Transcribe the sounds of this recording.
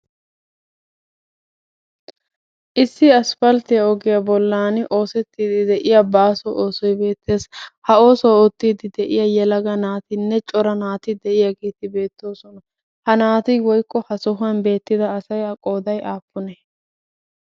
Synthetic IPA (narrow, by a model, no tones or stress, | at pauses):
ʔɪsːɪɐsfɐlt̪ɪjɐɔɡɪjɐbɔlːaːnɪʔo̞ːsɛt̪ːiːd̪ɪd̪ɛʔɪjabaːsɔʔoːsɔjbe̞ːt̪ːe̞ːshɐo̞ːsɔwɔt̪ːiːd̪ɪd̪ɛʔɪjɐjɛlɐɡɐnaːt̪ɪnːɛt͡ʃʼɔɾɐnaːt̪ɪd̪ɛʔɪjaɡeːt̪ɪbe̞ːt̪ːo̞ːsɔnɐ | hɐnaːt̪ɪwɔjkːɔhɐsɔɦʊɐnbe̞ːt̪ːɪd̪ɐːsɐjɐkʼo̞ːd̪ɐjʔaːpːʊnɛ